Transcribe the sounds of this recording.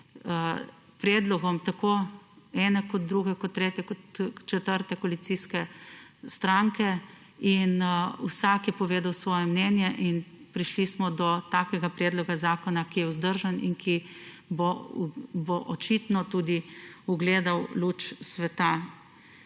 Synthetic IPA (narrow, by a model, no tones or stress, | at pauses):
pɾɛːd̪lɔɡɔmt̪akoɛnɛkɔd̪̚d̪ɾuɡɛkɔt̪ːɾeːt̪jɛkɔt͡ʃɛt̪əɾt̪ɛkɔlit̪siskɛst̪ɾaŋkɛ | inṵsakjɛpɔʋeːd̪awsʋɔːjɛmnɛnjɛʔinpɾiʃlismɔd̪ɔt̪aːkɛɡapɾɛːd̪lɔɡazaːkɔnakijɛuzd̪əɾʒanḭŋkʰi | bo | boʔɔt͡ʃit̪nɔt̪uːd̪iuɡleːd̪awluːt͡ʃsʋɛt̪a